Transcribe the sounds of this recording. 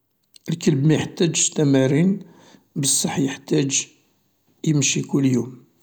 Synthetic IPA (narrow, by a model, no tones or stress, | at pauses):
ʔəlkəlbmæjəħt̪æd͡ʒt̪æmæɾin | bəsˤːɑħːjəħt̪æd͡ʒ | jəmʃikʊlːjum